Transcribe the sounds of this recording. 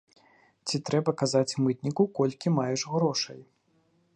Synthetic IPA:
t͡sʲit̪ɾɛbɐkazat͡sʲmɨt̪nʲikukɔlʲkʲimajɛʂɣɾɔʂɐ̰j

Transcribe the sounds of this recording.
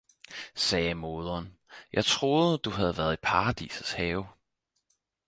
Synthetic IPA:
sɛːmo̝ð̞ˠɐːnjɑ̈ɪt͡sʰʁo̝ːð̩ˠəd̥uɦæð̞̩ˠʋæːɐð̞̩ˠipʰɑ̈ʁɑd̥ḭːsəshɛːʊ

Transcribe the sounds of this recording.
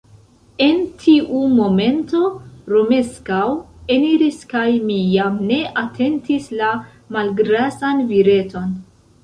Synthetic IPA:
e̞ntʰiʔumo̞me̞nto̞ɾo̞me̞skaw | e̞niɾiskajmijamne̞ʔatʰe̞ntisla | malɡɾasanviɾe̞to̞n

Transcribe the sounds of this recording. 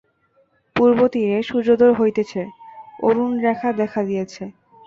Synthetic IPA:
puɾbot̪iɾeʃud͡ʑod̪oɾɦojt̪et͡ɕʰeo̰ɾunɾɛkʰad̪ɛkʰad̪ijet͡ɕʰe

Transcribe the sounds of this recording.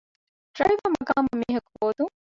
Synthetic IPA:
ʈɾɐɭiʋɐmɐɡaːmɐmːiːɦɐkuboːd̪uŋ

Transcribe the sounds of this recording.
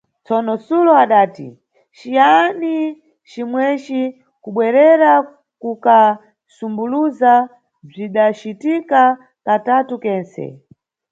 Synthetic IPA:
t͡sɔnɔsulɔaɗaːtḭ | ʃijani | t͡ʃimwɛt͡ʃi | kuɓwɛɾɛɾa | kuka | sumbuluza | b͡ʐiɗat͡ʃitika | katatukɛːnsɛ̰

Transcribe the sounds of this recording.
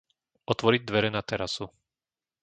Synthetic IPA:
ɔt̪ʋɔɾiɟ̚d̪ʋɛɾɛnat̪ɛɾasu

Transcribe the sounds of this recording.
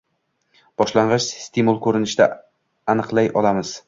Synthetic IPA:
b̥ɒʃlaɴʁɨʃst̪ʰimulˠkʰɵɾɪnɪʃd̪a̰ | anɨqlˠajʔɒ̰lˠamɪz̥

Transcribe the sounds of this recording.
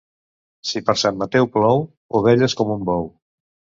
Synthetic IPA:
sipəɾsamːat̪ɛwplɔw | oβ̞ɛʎeskɔmumbɔw

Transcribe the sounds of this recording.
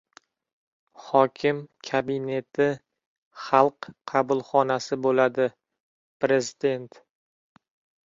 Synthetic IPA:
χɒkʲʰɪmkʲʰabɪne̞t̪ʰɪ | χɑlˠqʰɑbʊlˠχɒnasɪbolad̪ɪ | pɾe̞zɪd̪e̞nt̪

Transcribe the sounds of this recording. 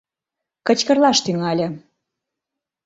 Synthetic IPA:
kə̆t͡ɕkə̆rlɑʃt̪yŋɑlʲə̆

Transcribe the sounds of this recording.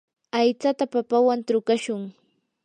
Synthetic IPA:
ajt͡sat̪apapawant̪ɾʊkaʃʊŋ

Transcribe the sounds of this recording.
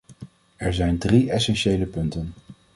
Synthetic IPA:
ɛɹzɛjndriɛsɛnʃejləpɵntən

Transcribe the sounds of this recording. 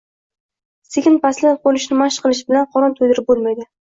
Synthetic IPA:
sekʲɪnpaslɪqolɪʃnɪmaʃqʰɨlˠɪʃɪbɪlanqʰɒɾɒnt̪ʰojd̪ɪɾɪp̚bolˠmajd̪ɪ

